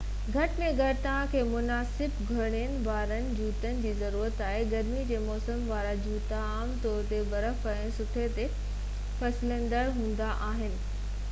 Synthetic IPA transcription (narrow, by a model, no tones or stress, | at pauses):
ɡʱɐʈɪ̆mẽɡʱɐɽɪt̪ɐʋ̤ãkʰeːmʊnaːsɪbɡʱɐɽ̃ijənɪ̆baːɾənɪ̆d͡ʑuːt̪ənɪ̆d͡ʑiːzɐɾuːɾət̪aːɦɪɡɐɾmid͡ʑeːmɔːsəmʋaːɾad͡ʑuːt̪aaːmt̪ɔːɾt̪eʋɐɾəfɐɪ̃sʊʈʰet̪e | fɐsɪlə̃nd̪əɽɦũːn̆d̪aʔaːɦɪnɪ̆